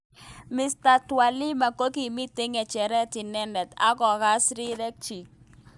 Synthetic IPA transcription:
mɪ˨sta˨twa˨li˦ma˨ko˦ki˨mɪ˦tɪ˦ŋɛ˨t͡ʃɛ˨ɾɛ˦tɪ˨nɛ˦ndɛ˨ta̰˦kɔ˨ɣa˦sɾi˦ɾɛ˦k̚t͡ʃi˨k̚

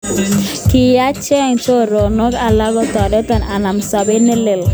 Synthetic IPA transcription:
kɪ˨ja˦t͡ʃɛ˦˨ŋt̪o˦ɾo˨no˦ka˨la˦ɡɔ˦t̪ɔ˨do˦t̪a˦na˨na˨msa˨be˦nɪ˦lɪ˨l

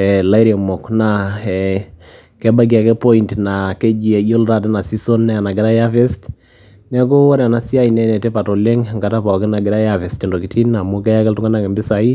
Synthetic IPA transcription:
ɛ˨la˦i˦ɾe˨mɔ˨kna˨ɛ˨ | kɛ˦ba˦ɡ̬i˨a˨kɛ˦po˦intna˨kɛ˦d͡ʒi˨ɛ˨jo˦lta˦˨tɛ˦na˨si˦so˦nːɛ˦a˨na˨ɡɪ˨ɾa˦ja˦fɛ˦st | nɛ˦k̬o˦ɔ˦ɾɛ˨a˨na˦si˦a˦i˨nɛ˦nɛ˨tɛ˦pa˨to˨le˦ŋ˨ŋɡa˨ta˦pa˨ɔ˨kɪ˦na˨ɡɪ˨ɾa˦ja˦fɛ˨stɛ˨ndo˨ki˨ti˦nna˨mo˦kɛ˦ja˦kɛ˦tʊ˦ŋɡa˦na˦˨kɛ˨mbɪ˦sa˨i˦

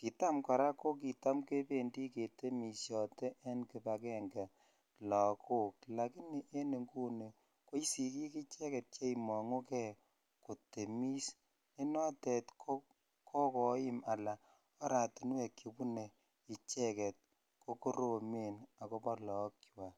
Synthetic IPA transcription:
ki˨ta˦mka˨ɾa˦ko˦k̬i˨ta˦mke˦pe˦ndi˦ke˨te˦mi˨sjɔ˨tɛ˦ʔe˦nki˨pa˨kɛ˦ŋɡa˨ | lɔ˨kʰo˦k̚la˨ki˦ni˨ʔe˦ne˨ŋɡu˦ne˨ | ko˦i˦si˨ki˦ki˦t͡ʃɛ˦kɛ˨t̚t͡ʃe˦i˨mɔ˨ŋo˦kɛ˦˨ | ko˨te˨mi˦s | i˦nɔ˦tɛ˨tkʰo˦ | kʰɔ˦kɔ˨˦ɪ˦ma˨la˨ | ɔ˦ɾa˨tu˨n˦we˨ki˨pu˦ne˨ | i˨t͡ʃɛ˦kɛ˨t̚ | ko˦ko˦ɾo˨me˨na˨ko˦pɔ˦lɔ˨˦kt͡ʃwa˨

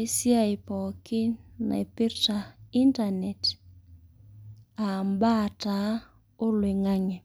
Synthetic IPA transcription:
ɪ˦sja˦ɪ˨pɔ˨kɪ˦na̰˨i˨pi˦ɾta˨i˦nta˨nɛ˨t | a˨mba˦˨ta˨˦ | ʊ˦lwɪ˨ŋa˦ŋɛ˨

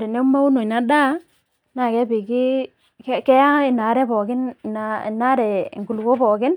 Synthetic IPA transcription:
ɾɛ˨nɛ˦u˦ma˦u˦no˨i˨na˦ɗa˦ | na˨kɛ˦bi˨kɪ˦ | kɛ˦kɛ˦ja˦ɪ˨na˨˦ɾɛ˦pɔ˨kɪ˦n˨na˦ɪ˨na˦ɾɛ˨ŋɡu˨lko˦pɔ˨kɪ˦n

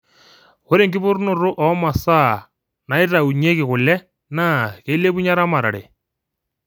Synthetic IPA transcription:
xo˦ɾe˨ŋɡɪ˦pʊ˦ɾnʊ˨rʊ˦ʔɔ˨˦ma˨sa˦˨ | na˨ɪ˦ɾa˨u˨ɲe˦kɪ˨kʊ˨lɛ˦ | naː˦˨ke˨˦le˦pu˦ɲa˦ɾa˦ma˨ɾa̰˨ɾɛ̰˨

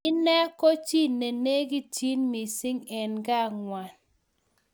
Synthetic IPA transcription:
ɪ˦nɛ˦kɔ˦t͡ʃi˦ne˨ne˦ɡi˦t͡ʃi˦nmi˨sɪ˦ŋɛ˨nɡa˦˨ŋwa˨n

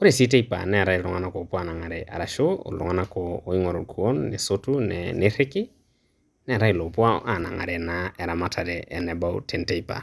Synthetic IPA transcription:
o˦ɾe˨si˦te˦ipa̰˨nɛ˦˨ɾa˦i˨lɔŋana˦kɔ˨pwa˨na˨ŋa˨ɾɛ˨ʔa̰˨ɾa˨ʃoo̰˨lɔ̰˨ŋa˨na˦kɔː˦i˦ŋɔ˨ɾɔ˨kʰuo˦nːḛ˨sotu˦nɛnɪɾɪ˦kɪ˦ | nɛ˦˨ɾa˦i˨lo˨pwa˦a˨na̰˨ŋa̰˨ɾɛnaɛ˨ɾa˨ma˦tʰa˨ɾɛʔɛ˨nɛ˨ba˦ṵtʰɛ˨nte˦ipa̰˨

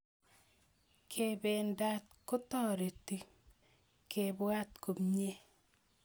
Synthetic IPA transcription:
kʰe˨be˨nda˦t̚kʊ˦tɔ˦ɾe˨ti˦ | kʰe˨bwa˦tko˨mɲe˦

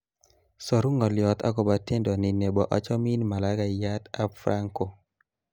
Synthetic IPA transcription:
sɔ˨ɾu˦ŋɔ˨ljɔ˨t̪a̰˦kɔ˨ba˨te˦ndɔ˨nɪ˨ne˨bɔ˨ʔɔ˨˦t͡ʃɔ˦mi˦nma˨la˨˦ka˨ja˦ta˦fɾa˦ŋko˨

